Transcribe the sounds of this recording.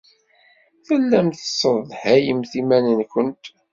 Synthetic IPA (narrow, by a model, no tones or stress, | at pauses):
θəlːæmt̪əsˤəðhæjəmθimænənkʷənt̪